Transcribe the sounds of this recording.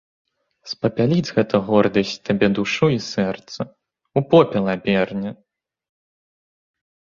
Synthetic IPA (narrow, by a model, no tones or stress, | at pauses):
spɐpʲalʲid͡zʲɣɛt̪ʰɐɣɔrd̪ɐsʲt͡sʲt̪abʲɛd̪uʂuisɛrt̪sɐ | upɔpʲɛlˠɐabʲɛrnʲɐ